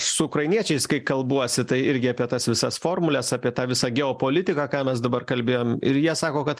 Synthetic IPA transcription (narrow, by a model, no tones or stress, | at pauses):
sʊʊkɾɐɪnʲiɛt͡ʃʲɛɪskɐɪkɐlˠbuɔsʲɪt̪ɐɪɪɾʲɡʲɪɑːpʲiɛt̪ɐsʋʲɪsɐsfoːrmʊlʲɛsɑːpʲiɛt̪ɑːʋʲɪsɑːɡʲɛoːpoːlʲɪt̪ʲɪkɑkɑːmʲɛsd̪ɐbɐrkɐlʲbʲeːjoːmɪ̰ɾjiɛsɑːkoːkɐt̪